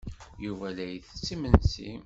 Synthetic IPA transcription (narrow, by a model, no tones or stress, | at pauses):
juvælæjθə̥t͡sːimənsḭm